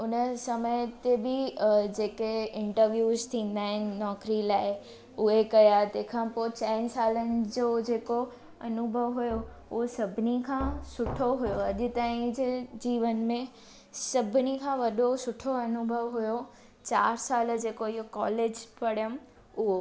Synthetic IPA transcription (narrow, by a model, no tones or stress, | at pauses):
ʊnəsɐməjt̪ebɪd͡ʑeːkeɪ̃ɳʈəɾʋjuːzt̪ʰĩːn̆d̪aːɦɪnɪ̆nɔːkɾilaːɪ | ʊɦekɐjat̪ẽːkʰãːpoːt͡ɕɛːnsaːlənɪ̆d͡ʑod͡ʑeːko | ɐnʊbʱəʋɦujo | ɦosɐbʱɪnikʰãːsʊʈʰoɦujoɐʄɪt̪aːĩd͡ʑed͡ʑiːʋənmẽ | sɐbʱɪnikʰãʋɐɗosʊʈʰoɐnʊbʱəʋɦʊjo | t͡ɕaːɾsaːl̆d͡ʑeːkoɪɦokɔːleːd͡ʑpɐɽjəm | ʊɦo